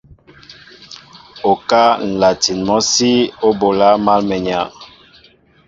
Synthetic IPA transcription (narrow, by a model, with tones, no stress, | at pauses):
o˨ka˦n̩˨la˨ti˨nmɔ˦si˦o˦bo˨la˦ma˦lmɛ˨ɲa˦